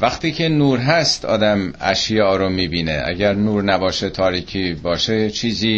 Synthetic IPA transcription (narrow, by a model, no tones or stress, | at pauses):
væxt̪iːcʰe̞nuːɾɦæst̪ʰɒ̰ːd̪æmæ̰ʃjɒːɾomiːbiːnḛʔæ̰ɟæɾnuːɾnæbɒːʃet̪ʰɒːɾiːcʰiːbɒːʃet͡ʃʰiːziː